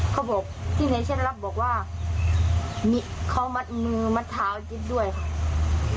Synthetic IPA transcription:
kʰa˧˩wbɔː˨˩k̚t̪ʰiː˥˩na˨˦jt͡ɕʰe˧˥˨n˧la˧p̚bɔː˨˩k̚waː˧˥˩ | mi˧ʔkʰa˨˦wma˧˦˥t̪̚mɯː˧ma˧˥t̪ʰːaː˨˦wt͡ɕi˧˦˥t̪̚du˥˩əjkʰa˧˩ʔ

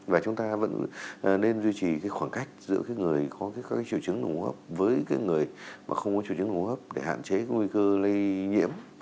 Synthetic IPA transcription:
vaː˨˩t͡ɕʊ˨˦ŋ͡mt̪aː˧və̰˧˥n˨˩ne˧nzwi˧t͡ɕi˨˩kaː˨˦jxwaː˧˩nka˦˥jk̟̚zɨ̰˧˥əkaː˨˦jŋɨ˨˩əjkɔ˨˦kːkːkaː˨˦jt͡ɕḭ˧˩əwt͡ɕɨ˨˦ŋɗʊ̰˧˩ŋ͡mhəː˦˥p̚vəː˨˦jkaː˨˦jŋɨ˨˩əjma̰ː˨˩xə˧wŋ͡mkɔ˨˦t͡ɕi˧˩ɨ˨˦n˧ʊ˨˧˩həː˦˥p̚ɗe˧˩ha̰ː˧˨nt͡ɕe˨˦kaː˨˦ŋwi˧kəː˧lə˧jɲḭ˧˥əm

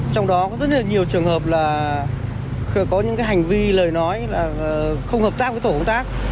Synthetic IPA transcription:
t͡ɕɔ˧wŋ͡mɗɔ˨˦kɔ˨˦zə˦˥t̚lə˨˩ɲi˨˩əwt͡ɕɨ˨˩əŋhəː˨˩p̚laː˨˩ | xkɔ˨˦ɲɨ̰˧˥ŋkaː˨˦jɦa˨˩ŋ̟vi˧ləː˨˩jnɔ˨˦jlaː˨˩xə˧wŋ͡mhəː˨˩p̚t̪aː˦˥k̚və˨˦t̪o˧˩kə˧ŋ͡mt̪aː˦˥k̚

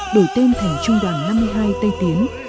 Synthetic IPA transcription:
ɗo˧˩jt̪e˧nt̪ʰɛ˨˧˩t͡ɕʊ˧ŋ͡mɗaː˨˧˩ŋhaː˧jmɨ˧əjɦaː˧jt̪ə˧jt̪i˨˦ən

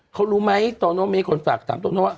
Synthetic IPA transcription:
kʰo˧nɾuː˦˥ma˦˥jt̪oː˧noː˦˥miː˦˥kʰo˧nfaː˨˩k̚t̪ʰa̰ː˨˦mt̪oː˧noː˦˥˩

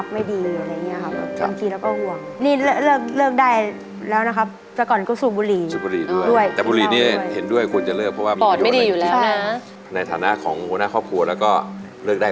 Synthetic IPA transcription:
p̚ma˥˩jdiː˧u˨ʔa˧ɾa˧ja˨˩ŋːi˦˥ɐ˧kʰa˦˥p̚a˧ŋk̪iː˧lɛː˦˥wkɔː˥˩hu˨˩əŋ | niː˥˩lɤ˥˩lɤː˥˩k̚lɤː˥˩k̚daː˥˩j | lɛː˦˥wna˦˥kʰa˦˥p̚ | t͡ɕa˨˩kɔː˨˩nkɔː˥˩suː˨˩buː˧liː˨˩˦suː˨˩buː˧liː˨˩˦du˩dujəj̪ɛː˨˩buː˧liː˨˧niː˥˩he˩˦ndu˥˩əjkʰu˧ə˧nt͡ɕa˨˩lɤː˥˩k̚pʰːɔ˦˥waː˥˩˧pɔː˨˩t̪̚ma˥˩jdiː˧juː˨˩lɛ˦kːʰa˥˩˦ | na˧jt̪ʰaː˩˦na˦˥ʔkʰɔː˩˦ŋhoː˧naː˥˩kʰɔː˥˩p̚kʰu˧ɐlɛː˦˥wkɔː˥˩ | lɤː˥˩k̚da˥˩

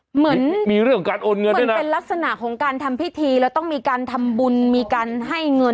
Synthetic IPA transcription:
mɯ˩˦˥nmiː˧ɾɯ˥˩ŋkʰːɔ˩˧kaː˧nʔoː˧nŋɤ˧dn˦e˧nla˦˥k̚sa˧na˨˩ʔkʰɔː˩˦ŋkaː˧nt̪ʰa˧mpʰi˦˥t̪ʰiː˧lɛː˦˥wt̪ɔ˥˩ŋmiː˧kaː˧nt̪ʰa˧mbu˧nmiː˧kaː˧nɦa˥˩jŋɤ˧

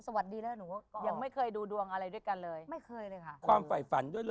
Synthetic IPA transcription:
sa˧wa˨˩t̪̚diː˧lɤː˧˥nuː˩˦˥kɔ˧ja˧ŋma˥˩jkʰɤː˧jduː˧du˧əŋʔa˧ɾa˧jdu˥˩əjka˧nlɤː˧jma˥˩jkʰɤː˧jləː˧jkʰa˥˩kʰwaː˧mfa˨˩jfa˩˦ndu˥˩əjl

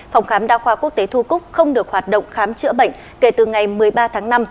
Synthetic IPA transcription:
fa˨˩wŋ͡mxaː˨˦mɗaː˧xwaː˧ku˦˥ək̚t̪e˨˦t̪ʰu˧kʊ˦˥k͡p̚xə˧wŋ͡mɗɨ˨˩ək̚hwaː˨˩t̚ɗo̰˧˨wŋ͡mxaː˨˦mt͡ɕɨ̰˧˥əɓə̰˧˨jŋ̟ | ke˧˩t̪ɨ˨˩ŋa˨˩jmɨ˨˩əjɓaː˧t̪ʰaː˨˦ŋna˧m

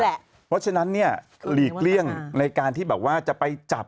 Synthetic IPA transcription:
pʰɔ˦˥t͡ɕʰa˧na˦˥nːi˥˩ɐ | liː˨˩k̚li˥˩əŋna˧jkaː˧nt̪ʰiː˥˩ɛː˨˩p̚waː˥˩t͡ɕa˨˩pa˧jt͡ɕa˨˩p̚

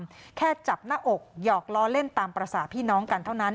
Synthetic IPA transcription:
mkʰɛː˥˩t͡ɕa˨˩p̚naː˥˩ʔo˨˩k̚jɔː˨˩k̚lɔː˧˥le˥˩nt̪aː˧mpɾa˧saː˨˩pʰiː˥˩nɔː˦˥ŋka˧nt̪ʰa˥˩wna˦˥n

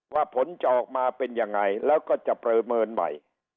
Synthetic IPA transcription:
waː˥˩pʰo˨˩˦nt͡ɕa˨ʔɔː˨˩k̚maː˧pe˧nja˧ŋːa˧jlɛː˦˥wkɔː˥˩t͡ɕa˨˩pɾɤː˧mɤː˧nma̰˨˩j

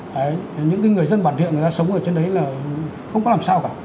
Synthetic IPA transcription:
aː˨˩jɲɨ̰˧˥ŋki˧˦ŋɨ˨˩əjzə˧nɓaː˧˩nḭ˧˨nŋ˨˩aː˧sə˨˦wŋ͡mʔəː˧˩t͡ɕe˧nɗə˨˦jlaː˨˩ | xə˧wŋ͡mkɔ˨˦laː˨˩msaː˧wkaː˧˩

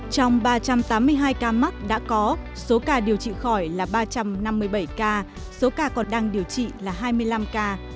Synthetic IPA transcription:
t͡ɕɔ˧wŋ͡mɓaː˧t͡ɕa˧mt̪aː˨˦mːɨ˧əjɦaː˧jkaː˧ma˦˥t̚ɗa̰ː˧˥kɔ˨˦ | so˨˦kaː˧ɗi˨˩əwt͡ɕḭ˧˨xɔ˧˩jlaː˨˩ɓaː˧t͡ɕa˧mna˧mːɨ˧əjɓə˧˩jkaː˧ | so˨˦kaː˧kɔ˨˩ɗaː˧ŋɗi˨˩əwt͡ɕḭ˧˨laː˨˩ɦaː˧jmɨ˧əjla˧mkaː˧

